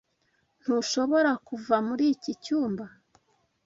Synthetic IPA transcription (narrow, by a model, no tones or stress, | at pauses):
n̥huʃo̞βo̞ɾakuvamuɾiːcicuːmba